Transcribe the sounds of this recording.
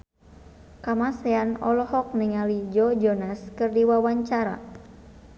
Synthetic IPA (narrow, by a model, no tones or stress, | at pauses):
kamasɛanɔ̰lɔhɔk̚niŋalid͡ʒɔd͡ʒɔnaskɨrdiwawaɲt͡ʃaɾa̰